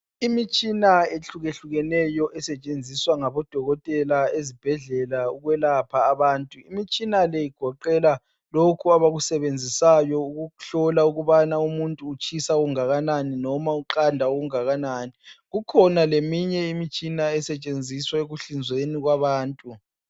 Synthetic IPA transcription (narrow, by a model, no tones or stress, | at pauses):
imit͡ʃʼinaeɬuɣeɬuɣɛnɛjɔʔɛsɛt͡ʃʼend͡zʱiswaŋaβɔd̥ʱɔɣɔtʼɛlaezib̥ʱɛɮɛlauɣwɛlapʰaːβaːntʼuimit͡ʃʼinalɛjiɡ̥ʱɔǃɛla | lokʰuaβaɣusɛβend͡zʱisajɔuɣuɬɔlauɣuβanaumuntʼuːt͡ʃʼisaɣuŋaɣananinɔmauǃandʱaoɣuŋaɣananiɣukʰɔnalemiɲɛimit͡ʃʼinaɛsɛt͡ʃʼend͡zʱiswaeɣuɬind͡zʱweniɣwaβaːntʼu